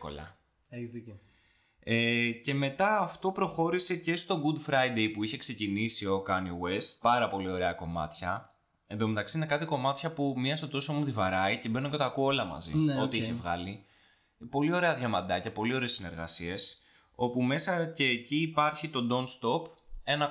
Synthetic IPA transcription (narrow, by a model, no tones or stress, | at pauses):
ko̰lɐ̰ | z | ece̞me̞t̪ɐːft̪o̞pɾo̞xo̞ɾise̞ce̞st̪o̞ɡud̪fɾɐid̪e̞jpuiçe̞kse̞cinisio̞kɐniwe̞st̪̚pɐɾɐpo̞lio̞ɾe̞ɐko̞mɐ̰t̪çɐ | end̪o̞met̪ɐksiine̞kɐt̪iko̞mɐt̪çɐpumiɐsot̪o̞soomut̪ivɐɾɐice̞be̞noct̪ɐkuo̞lɐmɐ̰zḭo̞t̪iiçe̞vɣɐ̰li | po̞lio̞ɾe̞ɐðʝɐmɐd̪ɐcɐpo̞lio̞ɾeːsine̞ɾɣɐ̰sie̞s | o̞pume̞sɐce̞ːciːpɐɾçit̪o̞d̪o̞nst̪o̞pe̞nɐ